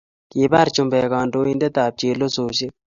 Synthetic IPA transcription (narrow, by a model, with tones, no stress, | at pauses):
keː˨baː˦ɾt͡ʃʊmbeː˨kaːnɖoːĩːnd̪e˦t̪aː˨p̚t͡ʃeːlo˦soːɕe˦